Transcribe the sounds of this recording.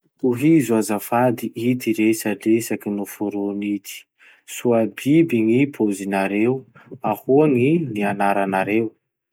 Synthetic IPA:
uɦizuazafad̪iʔit̪iɾesəlesakinufuɾonit̪i̥ | suabibiŋipʰozinaɾewahuaŋinianaɾanaɾew

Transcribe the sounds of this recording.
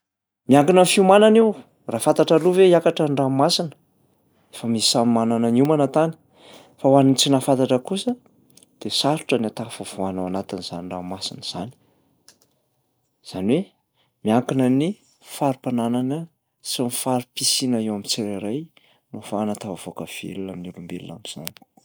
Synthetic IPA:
miaŋkinəfiumananiw | raːfat̪aʈ͡ʂaluveiakaʈ͡ʂəɳɖ͡ʐamasinə̥ | efəmisisamimanananimanat̪ani̥ | fawanint͡sinafant̪aʈ͡ʂəkusə | d̪̥esaɾu̥ʈ͡ʂənat̪afov̥uanawanat̪iniz̥a̰niɳɖ͡ʐa̰masinəz̥a̰ni̥ | z̥aniwe | miaŋkinəni | faɾupanananə | simifaɾupisinaewamit͡seɾaɾaj | nofanat̪avav̥okəv̥ḛlunaminulumbelṵna̰miz̥a̰ni̥

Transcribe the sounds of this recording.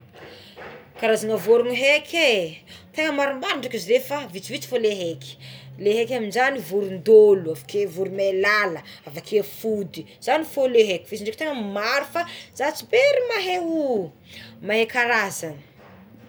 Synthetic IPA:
kaɾazanəvoɾuniɦekʰʲet̪eŋəmaɾumanaɳɖ͡ʐakiziɾefavit͡sivit͡si̥foleɦeki̥leɦekʲaminzanivuɾund̪oluavakevuɾumalaləavakʰefud̪i | z̥anifoleɦekʲi̥vit͡siɳɖ͡ʐekit̪eŋəmaɾufaz̥at͡sibeɾimaɦeu | maɦekaɾazanə̥

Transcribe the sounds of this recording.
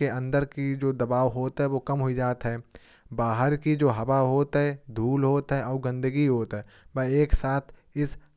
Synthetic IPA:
eə̃nd̪əɾkid͡ʒoːd̪ɐbaːʋɦoːt̪ɦɛʋoːkɐmɦʊid͡ʒaːt̪ɦɛː | baːɦəɾkid͡ʒoːɦɐʋaɦoːt̪ɦɛd̪ʱuːlɦoːt̪ɦɛʔɔːɾɡɐ̃nd̪əɡiɦoːt̪ɦɛː | bɛeːksaːt̪ʰ | ɪs

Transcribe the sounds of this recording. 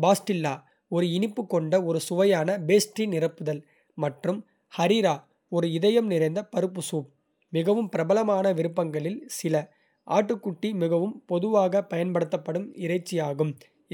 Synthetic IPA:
baːsʈɪlːaː | ɔɾɯɪnɪpːɯkːɔɳɖɐɔɾɯsʊʋɐjaːnɐbeːsʈrinɪrɐpːɯðɐl | mɐʈrɯm | hɐɾiːɾaː | ɔɾɯɪðɐjɐmnɪɾɐɪnd̪ɐpɐɾɯpːɯsuːp̚ | mɪɣɐʋɯmpɪɾɐbɐlɐmaːnɐʋɪɾɯpːɐŋɡɐɭɪlsɪlɐ | ʔa̰ːʈːɯkːʊʈːimɪɣɐʋɯmpɔðɯʋaːɣɐpɐjɐnpɐɽɯt̪ːɐpːɐɽɯmɪɾɐɪt͡ʃːɪjaːɣɯm

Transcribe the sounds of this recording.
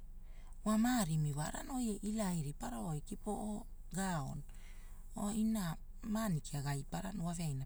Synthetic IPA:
wamaɾimiβaɾa̰no̞jeʔilajɾipaɾaojkipo̞ʔo | ɡao̰n | o̰ina | manikiaɡajpaɾanowaveajna

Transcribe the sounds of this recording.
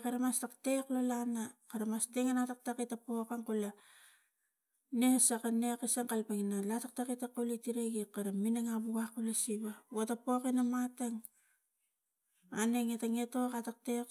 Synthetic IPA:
kaɾamastakte̞klolanakaɾamasteŋanatak̚takitapokaŋkula | nesakanekesaŋkalpeŋnalatak̚takitakolitiɾeɡikaɾaminaŋabuɡakolesiβaotapokenamataŋ | aneŋetaŋetokatak̚tek

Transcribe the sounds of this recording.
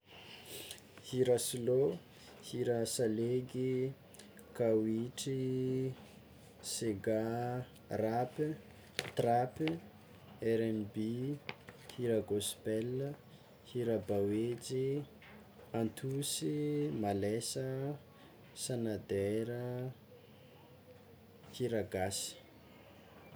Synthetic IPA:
hiɾasilo | hiɾasaleɡi | kawiʈ͡ʂi | seɡa | rapi | t̪rapi | ɛɾɛnbi | hiɾaɡospɛlːə | hiɾabawet͡si | ant̪ʰusimalesə | sanad̪eɾə | hiɾaɡasi̥

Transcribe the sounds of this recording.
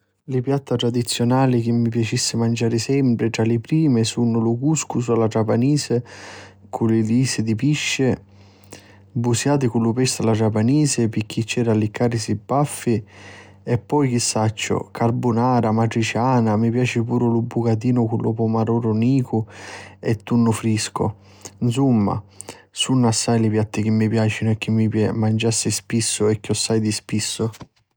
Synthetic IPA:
lɪpjat̪ːat̪ɾad̪it̪sːjɔnaːlik̟imːipjat͡ʃisːɪmand͡ʒaːɾɪsɛmpɾɪʈ̪ɾalɪpɾiːmɪsunʊlʊkuskusalaʈɾapaniːsɪ | kʰulɪliːsɪd̪ipiʃːɪ | busjaːt̪̬ɪkulːʊpɛst̪alaʈɾapaniːsɪpɪk̟ːit͡ʃːɛːɾalɪkaːɾɪsibːafːi | ɛpːɔjk̟isːat͡ʃːʊ̰kʰarbunaːɾamaʈɾit͡ʃaːnamipjaːt͡ʃɪpuːɾʊlubːukat̪̬iːnʊkulːʔʊ̰pɔmaɾuːɾʊniːkʊɛt̪ːunːʊfɾiskʊ̰ | nsumːa̰ | sunːʊasːajlɪpjat̪ːɪk̟imːipjaːt͡ʃinʊɛk̟ːimːimand͡ʒasːɪspisːʊɛkːiosːajd̪ispisːʊ

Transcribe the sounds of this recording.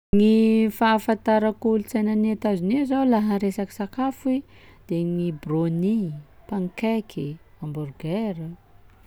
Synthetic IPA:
ŋifafant̪aɾakulut͡sajnanet̪azinizawlaɦaɾesaki̥sakafi | d̪̥eŋibronipaŋkekʰi | amburɡeɾi

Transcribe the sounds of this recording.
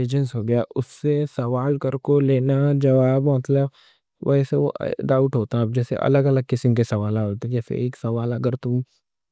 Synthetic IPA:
eːd͡ʒənsɦoːɡɐjaʔʊsːesɐʋaːlkɐɾkoleːnad͡ʒɐʋaːbmɐt̪ləb | ʋɐ̰seo̰ʔɖaːʊʈɦoːt̪ãb̚d͡ʒɛːsḛʔɐ̰ləɡɐləɡ̚kɪsɪmkesɐʋaːlaɦoːt̪eẽkjafɪ̰ɾeːksɐʋaːlɐɡəɾt̪ũ

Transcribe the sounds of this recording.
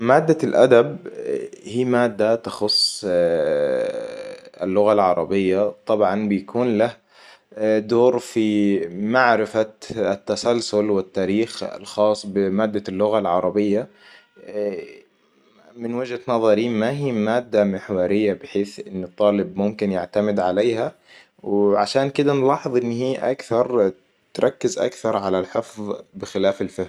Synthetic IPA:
maːd̪ːalʔa̰d̪ab | hiːmaːd̪ːat̪ɑxʊsˤː | ɪ̰lːʊɣalʕɑɾˤɑbɪjːat̪ˤɑbʕɑnbɪjakʰuːnlah | d̪oːɾfimaʕɾɪfaɪt̪ːasalsʊlwɪt̪ːaːɾiːxa̰lxɑːsˤːbɪmaːd̪ːalːʊɣalʕɑɾˤɑbɪjːa | mɪnwɪd͡ʒhat̪nɑðˤɑɾiːmaɦiːmaːd̪ːamɪħwɑɾɪjːabɪħeːθʔɪnːɪt̪ˤːɑːlɪbmʊmkɪnjaʕt̪amɪd̪ʕaleːha | wʕaʃaːnkɪd̪anlɑːħɨðˤʔɪnːhiːʔa̰kθɑɾˤ | t̪ɾˤɑkːɪzʔa̰kθɑɾˤʕalalħɪfðˤbɪxɪlaːfalfɪh

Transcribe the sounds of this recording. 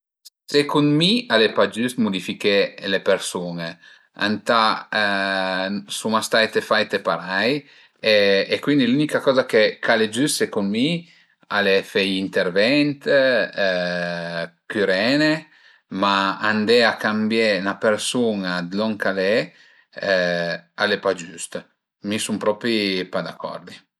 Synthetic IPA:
sekunmialepad͡ʒyst̪mud̪ifikelepeɾsune | a̰nt̪a | sumast̪ajt̪efajt̪epaɾaj | eːkwind̪ilynikakɔzakekʰaled͡ʒyssekunmi | alefɛjint̪eɾvɛnt̪ | kyɾɛːne | maand̪ɛakambjenapeɾsunad̪lɔŋkale | alepad͡ʒyst̪ | misumpɾɔpɾipad̪akʰːɔ̰ɾd̪i

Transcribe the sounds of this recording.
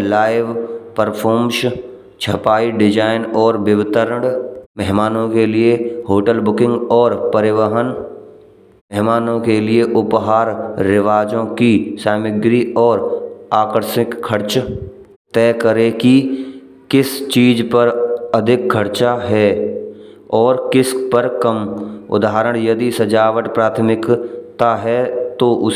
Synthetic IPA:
laːɪʋpəɾpʰɔːmʃ | t͡ʃʰɐpaːiɖɪd͡ʒaːɪnɔːɾbɪʋɪt̪əɾɽmɛɦmaːnõkelieɦoːʈəlbʊkɪ̃ŋɡɔːɾpəɾɪʋəɦən | mɛɦmaːnõkelieʔʊpɦaːɾːɪʋaːd͡ʒõkisaːmɪɡɾiɔːɾaːkəɾsɪkkʰːəɾt͡ʃ | t̪ɛːkəɾeki | kɪst͡ʃiːd͡ʒpəɾɐd̪ʱɪk̚kʰːəɾt͡ʃaɦɛː | ɔːɾkɪspəɾkəmʊ̰d̪ʱaɦɾəɽ̃jɐd̪isɐd͡ʒaːʋəʈpɾaːt̪ʰəmɪkt̪aɦɛt̪oʔʊ

